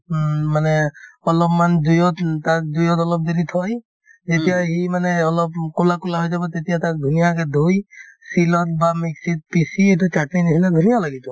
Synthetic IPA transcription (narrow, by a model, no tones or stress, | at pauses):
manɛɔlɔpmandujɔt̪takdujɔt̪ɔlɔp̚d̪eɾit̪ʰɔj | d͡ʒet̪ijaɦimanɛɔlɔpkolakulaɦojzabɔt̪et̪ijat̪ak̚d̪ʱunijakɛd̪ʱujsilɔt̪̚bamiksit̪̚pisietut͡ʃaʈnajnisʰilad̪ʱunijalaɡit̪ɔ